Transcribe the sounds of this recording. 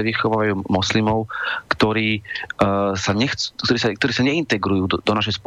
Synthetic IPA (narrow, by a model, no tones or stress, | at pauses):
ɛʋixɔʋaːʋajuːmɔslimɔʊkt̪ɔɾiː | saɲɛxt͡skt̪ɔɾiːsak̚t̪ɔɾiːsaɲɛint̪ɛɡɾujuːd̪d̪ɔnaʃ̬ɛjsp